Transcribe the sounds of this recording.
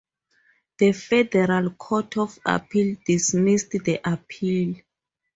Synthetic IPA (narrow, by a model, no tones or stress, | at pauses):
ðəfɛdɛɹalkʰɔtʰɔfa̰pʰildismistdəʔapʰil